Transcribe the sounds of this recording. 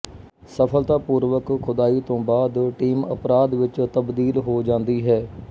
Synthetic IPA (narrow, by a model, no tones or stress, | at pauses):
səpʰəlt̪aːpuːɾʋəkxʰʊd̪aːiːt̪õːbaːd̪ʈiːmə̰pɾaːd̪ʋɪt͡ʃt̪əbd̪iːlɦoːd͡ʒãːnd̪iːɦɛː